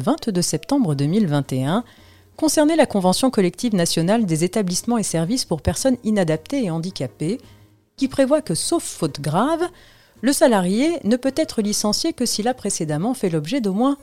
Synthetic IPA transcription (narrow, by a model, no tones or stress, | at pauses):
vɛ̃t̪d̪øsɛpt̪ɑ̃bʁəd̪ømilvɛ̃t̪eɛ̃ | kɔ̃sɛʁnɛlakɔ̃vɑ̃sjɔ̃kɔlɛk̚t̪ivnasjɔnald̪ezet̪ablismɑ̃esɛʁvispuʁpɛʁsɔninad̪ap̚t̪eːɑ̃d̪ikʲape | kʲipχevwakəsofːot̪ɡʁav | ləsalaʁjenəpøt̪ɛt̪χəlisɑ̃sjekəsilapχesed̪amɑ̃fɛlɔbʒɛd̪omwɛ̃